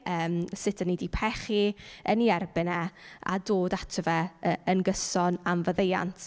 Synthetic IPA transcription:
ʔəːmsɪtʰənːidipʰɛχiəniɛrbɪnɛa̰doːdatʰəvɛəənɡəsɔnamvəðeja̰ntʰ

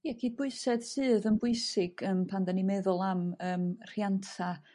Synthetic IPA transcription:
jakʰiːd̚bʊɨsɛd̥sɨːðənbʊɨsɪɡ̥əmpʰandanimɛðʊlˠaməːmr̥jantʰa

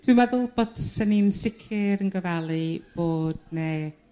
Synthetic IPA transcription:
d̥wimɛðʊlˠbədsəninsɪkʰɪɾənɡəvalˠib̥oːd̥ne

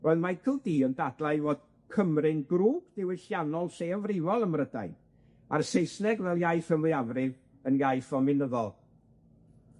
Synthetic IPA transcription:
rɔɨðmakʰəlˠdiːəndadlˠajvoːd̥̚ | kʰəmrɨnɡruːɡ̥dɪwɪɬjanɔlˠseavrɪvɔlˠəmrəda̰j | aɾəsejsnɛɡvɛlˠjajθəmlɨavrɪv | ənjajθɔmɪnəðɔlˠ

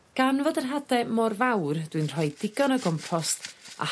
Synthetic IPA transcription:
ɡ̥anvodənɦadɛmɔrvawrd̥wɨnr̥ɔjdɪɡɔnəɡɔmpʰɔsta̰

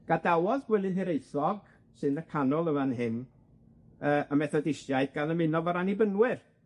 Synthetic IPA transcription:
ɡ̥adawɔðɡ̥wɛlˠɨnɦɛɾejθɔɡ̥ | sɨnəkʰanɔlˠəvanɦɪn | əːʔəmɛθɔdɪʃjajdɡanəmɪnɔvɔɾanibənwɪr

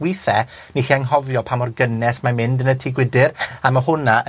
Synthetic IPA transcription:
wiθɛ | niχiaŋɦɔvjɔpʰamɔrɡənɛsmamɪndənətʰiɡwɪdɪɾamaɦʊna

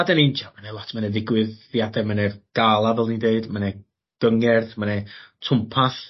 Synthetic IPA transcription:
adɛnint͡ʃamanɛlˠɔtʰmanɛðɪɡwɨðjadɛmanɛrɡ̥alˠavɛlˠnideɨdmanɛ | ɡ̥əŋɛrðmanɛtʰʊmpʰaθ

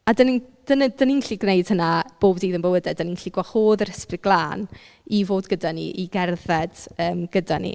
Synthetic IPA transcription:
adənid̥ənədəninɬiɡnejd̥hənab̥oːbdiːðənbəwədɛdəninɬiɡwaχoːðəɾəspɪɡ̥lˠaːn | ivoːdɡədanḭʔiɡɛrðɛd̥əːmɡ̥ədanḭ

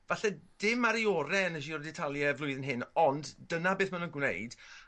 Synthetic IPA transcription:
vaɬɛd̥ɪmaɾiɔɾɛnəʃ̬iɔrdɛtʰalˠjɛvlˠʊɨðənɦɪnɔnddənabeːθmanunɡwnḛjd̥

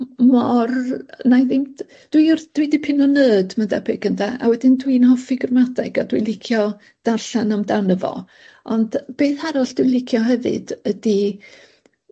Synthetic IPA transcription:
mɔrnajðɪm | d̥wijrd̥widɪpʰɪnɔnəːdmandɛ̰bɪɡ̥əndaʔa̰wɛdɪndwinhɔfɪɡrmadaɡadwilˠɪkʰjɔ | d̥arɬanɔmdanəvɔ̰ | ɔnd̥b̥eːθhaɾɔɬd̥wilˠɪkʰjɔɦɛvɨ̰d̥ədi

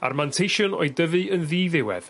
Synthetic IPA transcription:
a̰rmantʰejʃɔnɔ̰ɨdəvɨənðiːðɪwɛ̰ð̥

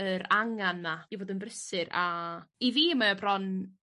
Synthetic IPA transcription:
əɾaŋanmajiboːdənbrəsɪɾaiviːəmajabrɔn

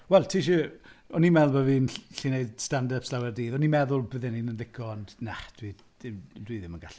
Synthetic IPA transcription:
wɛlˠtʰiːʃ̬uɔnimɛlˠbaviːnɬineɨdstandapslˠawɛrdiːðɔnimɛðʊlˠbəðɛninənlɪkʰɔnnad̥wi | ɪmdwiðɪmənɡaɬi

